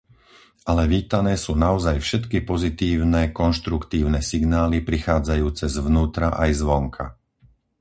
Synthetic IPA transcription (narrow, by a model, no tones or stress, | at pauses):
ʔalɛʋiːt̪anɛːsuːnaɔzajfʃɛt̪kipɔzit̪iːʊnɛkɔnʃt̪ɾukt̪iːʊnɛsiɡnaːlipɾixaːd͡zajuːt͡sɛzʋnuːt̪ɾaʔajzʋɔŋkʰa̰